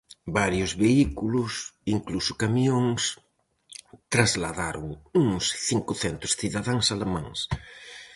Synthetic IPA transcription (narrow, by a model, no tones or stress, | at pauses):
baɾjʊzβeikulʊsiŋklusʊ̥kamiõŋs | t̪ɾazlaðaɾʊ̰ŋuŋsθiŋkʊθɛnt̪ʊsθiðaðãŋsalemãŋs